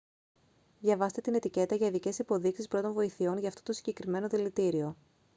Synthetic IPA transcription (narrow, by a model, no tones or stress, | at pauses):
ðʝɐvɐst̪e̞t̪ine̞t̪ice̞t̪ɐʝɐiðice̞sipo̞ðiksispɾo̞t̪o̞nvo̞iθio̞nʝɐːft̪o̞̥t̪o̞siɲɟe̞kɾime̞no̞ðilit̪iɾio̞